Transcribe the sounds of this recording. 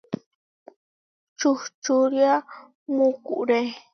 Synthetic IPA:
t͡ʃuht͡ʃuɾja | mukṵʔɾe

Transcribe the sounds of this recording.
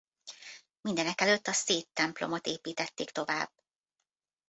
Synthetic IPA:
mind̪ɛnɛkɛløt̪ːɒseːt̪ːɛmplo̰mo̞t̪eːpiːt̪ɛt̪ːeːkt̪o̞va̰ːb̥

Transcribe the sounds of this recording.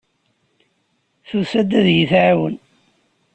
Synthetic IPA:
θusæd̪æðjiθʕawə̰n

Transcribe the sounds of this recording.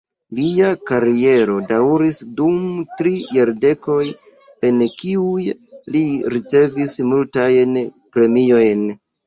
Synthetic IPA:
liakaɾie̞ɾo̞daɾisdumtɾijaɾde̞ko̞j | e̞nkiujliɾit͡se̞vismultajnpɾe̞mio̞jn

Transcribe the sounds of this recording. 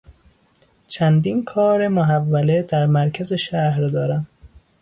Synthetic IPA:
t͡ʃʰænd̪iːnkʰɒːɾe̞moɦævːæled̪æɾmæɾkʰæzeʃæhɾd̪ɒːɾæm

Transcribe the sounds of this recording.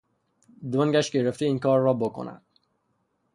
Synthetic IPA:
d̪oŋɟæʃɟeɾeft̪iiːnkʰɒːɾːɒːbo̞kʰo̰næ̰d̪̥

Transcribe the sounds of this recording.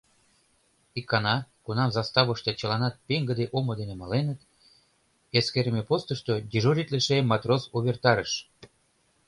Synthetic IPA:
ikːɑnɑkunɑmzɑst̪ɑβəʃt̪et͡ɕəlɑnɑt̪̚peŋɡəd̪eʔomod̪enemɑlenət̪ | eskeɾəmepost̪əʃt̪od̪ʲiʒuɾʲit̪leʃemːɑt̪rosuβert̪ɑɾəʃ

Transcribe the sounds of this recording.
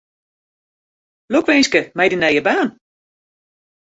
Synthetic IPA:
lokʋɪnskəmɛjdinɛjəbaːn

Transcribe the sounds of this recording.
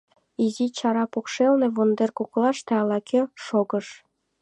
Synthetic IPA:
izit͡ɕɑɾɑpokʂelnĕβond̪erkuklˠɑʃt̪æ̆ɑlˠɑkʲʰøʃoɡɤ̆ʃ

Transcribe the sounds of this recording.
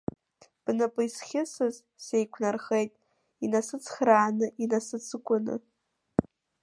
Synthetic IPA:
b̥nɨpʼɨjsχʲɪsɨz | se̞jkʷʰnarχejtʼ | inasɨt͡sʰχraːnɨʔinasɨt͡sʰɨkʷʼʊnɨ̰

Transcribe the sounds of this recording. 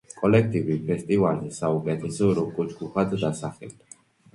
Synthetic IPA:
kʼɔlɛk̚ʰt̪ʼivipʰɛst̪ʼivalzɛsaukʼɛt̪ʰɛsɔɾɔkʼɔt͡ʃɡuχad̪d̪asaχɛld̪a

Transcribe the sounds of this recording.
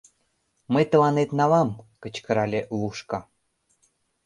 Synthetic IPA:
məjt̪ə̆lɑnet̪nɑlɑmkə̆t͡ɕkə̆ɾɑlʲeluʃkɑ

